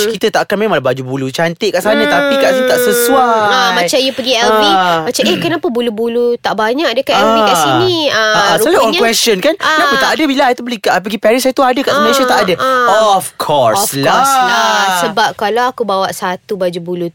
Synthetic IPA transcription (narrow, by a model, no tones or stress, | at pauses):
kit̪ət̪aʔkanmẽmãlbad͡ʒubulut͡ʃant̪ɪʔkaʔsanãt̪apikaʔsinĩt̪aʔsəsuaamat͡ʃajupəɡiɛlmimat͡ʃamehkənapəbulubulut̪aʔbaɲak̚dəkaʔɛlbikasiniəsalaɔkwɛst͡ʃɔnkannapət̪aʔadəbilajt̪ubəlikaʔpəɡipɛɾisajət̪uadəkaʔməlsat̪aʔadəɔɔfkʰɔɹslaasəbap̚kalaakubawaʔsat̪ubad͡ʒubulu